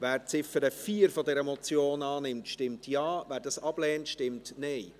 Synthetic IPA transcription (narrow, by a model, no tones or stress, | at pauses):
ʋæːɾt͡sɪfəɾəfiːəɾfɔdɛɾəmɔt͡sjoːnɑːnɪmtʃtɪmtʰjɑːvæːɾdɑsɑb̥lɛːntʃtɪmtnɛɪ